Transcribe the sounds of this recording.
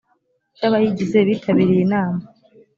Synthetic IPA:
d͡ʒaβajiɟize̞βiːtʰaβiɾijenaːma

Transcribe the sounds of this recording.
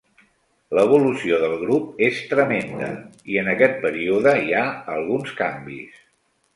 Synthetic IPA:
ləβ̞ulusioðəlˠɣɾup̚est̪ɾəmend̪ə̰iənəkɛt̪̚pəɾiuðəiaəlˠɣunskambḭs

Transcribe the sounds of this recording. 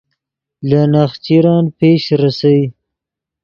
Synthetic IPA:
lanaxt͡ʃiɾɑnpeʃɾasawi

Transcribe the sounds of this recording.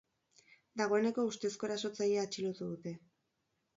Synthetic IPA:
d̪aɣ̞o̞ene̞ko̞ust̪e̞sko̞ɾaso̞t͡saʎeaːt͡ʃilot̪uðut̪e̞

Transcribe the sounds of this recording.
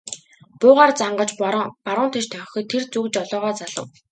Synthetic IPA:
pʊːʁaːrt͡saɴɢə̆t͡ɕpaɾʊːnt̪ʰet͡ɕt̪ʰœŋxʲɞ̆ːt̪ʰːert͡sukt͡ɕɔɮɔːʁɔːt͡saɮə̆w

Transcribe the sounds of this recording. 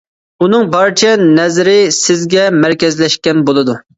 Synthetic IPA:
unɨŋbɑɾt͡ʃʰɛnɛzɾɪsɪzɡʲɛmæɾkʲɛzlɛʃkʲɛnbolˠɨd̪u

